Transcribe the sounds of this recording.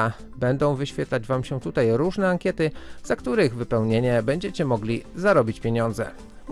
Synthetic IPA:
abɛnd̪ɔ̃w̃vɘɕfʲɛt̪lad͡ʑvamɕɛt̪ut̪ajɾuʐnɛaŋkʲjɛt̪ɘz̥akt̪uɾɘɣvɘpɛwɲeɲɛbɛɲd͡ʑɛt͡ɕɛmɔɡlʲizaɾɔbʲit͡ɕpʲjeɲɔnd̪zɛ̰

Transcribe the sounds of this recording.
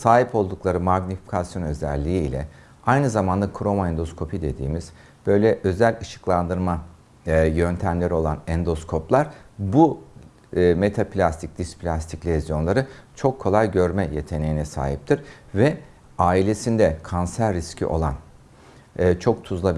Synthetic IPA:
saːɦipʰo̞lˠd̪uklˠaɾɯmaɡnifi̥cʰasjo̞nøzæ̰lʲːiḭːlʲɛ̰ | ajnɯzamand̪akʰɾo̞maɛnd̪o̞skʰo̞pʰid̪e̞d̪ḭːmiz̥ | b̥ø̞jlʲɛʔø̞zælʲɯʃɯ̥klˠand̪ɯɾma | jønt̪ʰæmlʲe̞ɾio̞lˠanɛnd̪o̞skʰo̞plˠaɾ̥bu | me̞t̪ʰaplʲast̪ʰic̚d̪̥ispʰlʲast̪ʰiclʲezjo̞nlˠaɾɯt͡ʃʰo̞kʰːo̞lˠalɟø̞ɾmɛje̞t̪ʰe̞nejinɛsa̰ːɦip̚t̪ʰiɾ̥vɛ | aːilʲe̞sind̪ɛkʰansæɾːiscʰḭʔo̞̰lˠanː | t͡ʃʰo̞k̚t̪ʰuzlˠa

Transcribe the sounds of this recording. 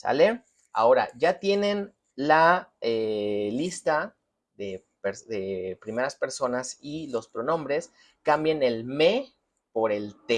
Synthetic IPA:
sa̰le | a̰o̞ɾa̰ʝat̪je̞ne̞n | laelist̪a | ðe | peɾsðe̞pɾime̞ɾaspe̞ɾso̞nasilo̞spɾo̞nõ̞mbɾe̞s | kambjene̞lme̞ | po̞ɾe̞lt̪e

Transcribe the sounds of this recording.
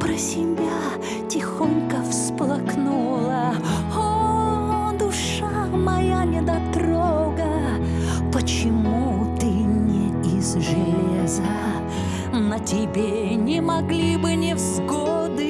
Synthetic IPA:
pɾəsʲɪmʲjʲa | tʲɪxonʲkəfsplˠɐknulˠə | o | d̪ʊʂ | a | mɐjanʲɪd̪ɐt̪ɾoɡə | pət͡ɕɪmut̪ɨmnʲeizʐɨlʲezə | nɐtʲɪbʲe | nʲɪmɐɡlʲibɨnʲɪvzɡod̪ɨ

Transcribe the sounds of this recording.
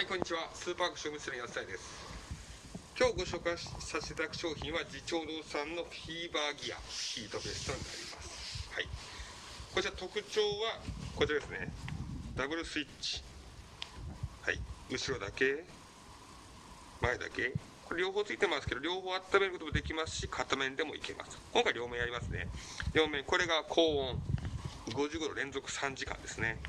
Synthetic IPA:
haikoɲ̟ːit͡ɕiβasɨːpaːɡoɕomɯsɨɾɲiasɨ̥t̪aid̪e̞sɨ̥ | kʲo̞ːɡo̞ɕo̞ːkasased̪akɯ̟̥ɕo̞ːçĩɰ̃βad͡ʑit͡ɕo̞ːd̪o̞ːsãnːo̞ɸʲiːbaːɡʲia̰çʲiːt̪o̞be̞sɨ̥t̪o̞ɲina̰ɾʲḭma̰sɨ̥hai | ko̞t͡ɕiɾat̪o̞kɯ̟t͡ɕo̞ːβako̞t͡ɕiɾad̪e̞sɨnḛd̪abɯ̟ɾɯ̟sɨit͡ɕi̥ | ha̰ḭɯ̟ɕiɾo̞d̪ake̞ | maed̪a̰ke̞ | ko̞ɾeɾʲjo̞ːɦoːt͡sɨit̪e̞masɨ̥ke̞d̪o̞ɾʲjo̞ːhoːat̪ːame̞ɾɯkot̪omod̪e̞kʲimasɨ̥ɕikʰat̪ːamẽnd̪e̞mo̞ike̞ma̰sɨ̥kõ̞ŋkaiɾʲjo̞ːmẽ̞aɾʲimasɨne̞̰ɾʲo̞ːmẽ̞ŋko̞ɾe̞ɡakʰo̞ːõŋ | ɡo̞ʑɨːɡoɾoɾẽ̞nzo̞kɯ̟̥sãɲ̟d͡ʑikã̰nd̪e̞sɨne̞

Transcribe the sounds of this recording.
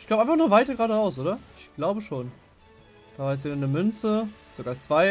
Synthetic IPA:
ç̥labəɪfaχnuːɐvaɪtɐɡʁaːɾəʁaʊsʔoːdɐɪçɡ̥laʊbəʃoːn | d̥aːvaːjɛt͡s̬v̥iːdɐnəmʏnt͡sə | z̥oɡaːɐt͡sv̥aɪ

